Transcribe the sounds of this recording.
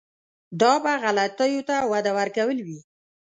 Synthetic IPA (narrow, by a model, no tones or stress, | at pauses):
d̪ɑbaɣalat̪əjot̪awad̪awaɾkawəlwi